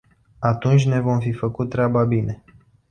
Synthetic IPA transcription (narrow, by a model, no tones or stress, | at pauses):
at̪unt͡ʃʲne̞vo̞mfifəkut̪ːɾeababine̞